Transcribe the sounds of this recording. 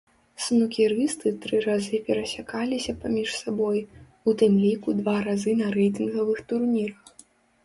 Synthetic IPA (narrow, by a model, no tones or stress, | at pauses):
snukʲiɾɨst̪ɨt̪ɾɨɾazɨpʲɛɾɐsʲakalʲisʲɐpamʲiʂsabɔj | ut̪ɨmlʲikud̪vaɾazɨnɐɾɛjt̪̬ɨnɣɐvɨxt̪urmʲiɾɐx